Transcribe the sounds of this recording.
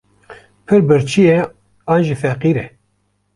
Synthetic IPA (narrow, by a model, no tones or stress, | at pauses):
pʰɨɾbɨɾt͡ʃʰijɛ | ɑːnʒifɛqiːɾɛ